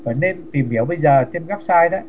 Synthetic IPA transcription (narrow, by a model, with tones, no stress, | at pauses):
fə˨˩nːe˧nt̪i˨˩mhi˨˩˦əwɓə˧jzəː˨˩t̪ʰe˧mɣaː˦˥p̚saː˧jɗa˨˦